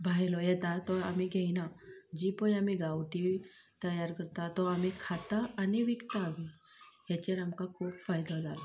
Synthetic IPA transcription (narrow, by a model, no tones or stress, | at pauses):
bʱaɦjlɔjɛt̪at̪ɔam̤iɡʱeinad͡ʑipəjam̤iɡawʈiʋt̪əjaɾkəɾt̪at̪ɔam̤ikʰat̪aːniʋikt̪aːʋijat͡ɕeɾamkakʰuːpfajd̪ad͡zala